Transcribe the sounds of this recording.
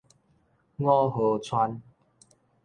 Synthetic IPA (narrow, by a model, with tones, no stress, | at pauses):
ŋɔ˦ɦo˨˩t͡sʰwa˦n